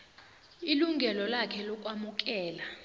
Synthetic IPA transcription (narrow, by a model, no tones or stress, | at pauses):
iluŋɡʱɛlɔlakʰɛlɔk̬ʼwamuk̬ʼɛːla